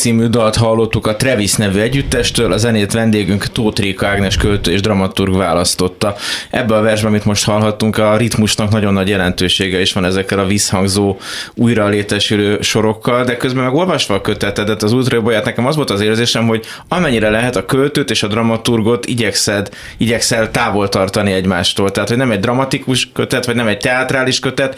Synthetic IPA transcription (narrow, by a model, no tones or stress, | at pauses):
siːmyd̪ɒlt̪ɦɒlːo̞t̪ːukɒt̪rɛvisnɛvyɛɟːyt̪ːɛʃt̪øːlʔɒzɛneːt̪ʋɛnd̪eːɡyŋkt̪oːt̪riːkɒaɡnɛʃkølt̪øːeːʒd̪rɒmɒt̪urɡvaːlɒst̪o̞t̪ːɒʔɛ̰bːɛɒvɛrʒbɛɒmit̪mo̞ʃt̪hɒlɦɒt̪ːuŋkɒrit̪muʃnɒknɒɟo̞nːɒɟjɛlɛnt̪øːʃeːɡɛiʃʋɒnɛzɛkːɛlɒvishɒŋɡzoːuːjɾɒleːt̪ɛʃyløːʃo̞ɾo̞kːɒld̪ɛkøzbɛmɛɡo̞lvɒʃʋɒːkø̞t̪ɛt̪ɛd̪ɛt̪ɒzult̪rɒjobojaːt̪nɛkɛmɒzʋo̞lt̪ɒzeːɾzeːʃɛmɦo̞ɟ | ɒmɛɲːiɾɛlɛɦɛt̪ɒkølt̪øːt̪eːʃɒd̪rɒmɒt̪urɡo̞t̪ḭɟɛksɛd̪ | iɟɛksɛlt̪aːvo̞lt̪ɒrt̪ɒniɛɟmaːʃt̪oːlt̪ɛɦat̪honɛmɛɟd̪rɒmɒt̪ikuʃkøt̪ɛt̪ʋɒɟnɛmɛɟ̚t̪ɛat̪raːliʃkø̞t̪ɛt̪